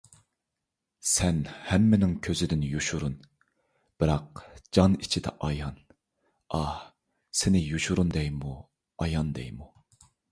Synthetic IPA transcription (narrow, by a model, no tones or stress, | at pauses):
sɛnhɛmːɪnɪŋkʲʰøzɪd̪ɪnjuʃuɾun | b̥ɪɾɑq̚d͡ʒɑnit͡ʃʰid̪ɛ̰ʔɑjɑn | ɑh | sɪnɪjuʃuɾund̪ɛjmu | ɑjɑnd̪ɛ̰jmu